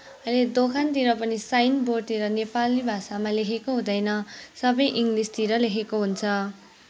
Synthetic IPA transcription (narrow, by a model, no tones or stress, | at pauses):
ʌjled̪okʰant̪iɾʌpʌnisajnbort̪eɾʌnepalnibʱasamalekʰekoɦũd̪ʌjnʌsʌbʌjʔiŋɡlist̪iɾʌlekʰekoɦunt͡sʰʌ